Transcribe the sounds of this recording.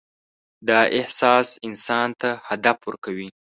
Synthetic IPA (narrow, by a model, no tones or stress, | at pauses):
d̪ɑʔɪhsɑsɪnsɑnt̪ahad̪afwəɾkawi